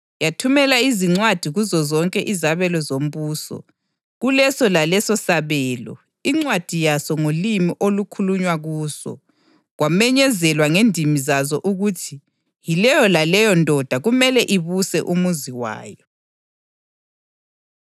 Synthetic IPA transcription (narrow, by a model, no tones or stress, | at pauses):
jatʰumɛlaiziŋ͡ǀwad̥ʱiɣuzɔzɔŋkʼɛʔizaβɛlɔzom̩βuːsɔ̰ | ɣulɛsɔlalɛsɔsaβɛːlɔ̰ | iŋ͡ǀwad̥ʱijasɔŋolimiʔolukʰuluɲwaɣuːsɔ̰ | ɣwamɛɲɛzɛlwaŋendʱimizazɔʔuɣutʰi | jilɛjɔlalɛjɔndʱɔd̥ʱaɣumɛlɛʔiβusɛ̰ʔumuziwa̰ːjɔ